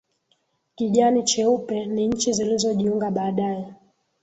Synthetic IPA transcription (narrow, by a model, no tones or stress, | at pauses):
kiʄanit͡ʃɛupɛniɲ̩t͡ʃizilizɔʄiuŋɡaɓaːɗajɛ